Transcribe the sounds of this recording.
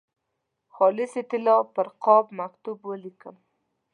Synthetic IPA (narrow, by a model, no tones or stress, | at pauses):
xɑlɪsɪt̪ɪlɑpəɾqɑbmakt̪ubwəlikəm